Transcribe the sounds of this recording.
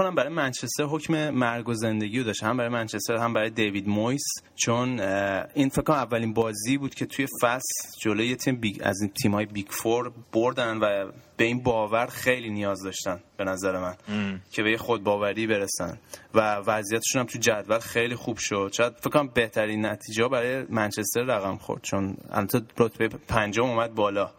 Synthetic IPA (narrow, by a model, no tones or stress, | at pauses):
kʰonæmbæɾɒːjemænt͡ʃʰest̪eɾɦo̞cʰme̞mæɾɡozend̪eɟiːjod̪ɒːʃt̪hæmbæɾɒːjemænt͡ʃʰest̪eɾhæmbæɾɒːjed̪e̞jvid̪mojs | t͡ʃʰoninfekʰːonæmævːælinbɒːziːbuːd̪̥cʰe̞t̪ʰuje̞fæsd͡ʒolojejet̪ʰimbiæ̰zint̪ʰiːmhɒːjebikfoɾb̥oɾd̪ænvæb̥e̞iːnbɒːvæɾxe̞jlinijɒːzd̪ɒːʃt̪ænb̥e̞næzæɾemæncʰe̞βe̞jexod̪̚bɒːvæɾiːbe̞ɾesæ̰nd̪vævæzijæt̪ʰeʃunæmt̪ʰud͡ʒæd̪vælxejliːxub̥ʃo̞d̪̥t͡ʃʰɛɣæd̪fekʰːoɾæmbe̞ht̪ʰæɾinːæt̪ʰiːd͡ʒɛhɔbæɾɒːjemænt͡ʃʰe̞st̪e̞ɾːæɣæmxo̰ɾd̪̥t͡ʃʰonæ̰lbæt̪ʰeɾot̪ʰbeepʰænd͡ʒɔmumæd̪̚bɒːlɒː